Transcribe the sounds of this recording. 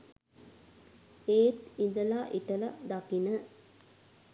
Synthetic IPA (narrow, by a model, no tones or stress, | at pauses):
eːt̪ind̪əlaːʔiʈəlɐd̪akinə